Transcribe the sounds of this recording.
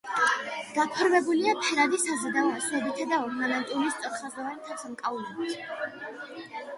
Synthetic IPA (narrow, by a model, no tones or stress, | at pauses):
ɡ̥apʰɔɾmɛbuliapʰɛɾad̪isazɛd̪aɔasnɛbit̪ʰad̪aɔmanɛnt̪ʼiulist̪sʼɛɾsazd̪avanit̪ʰasamkʼaulɛbit̪ʰ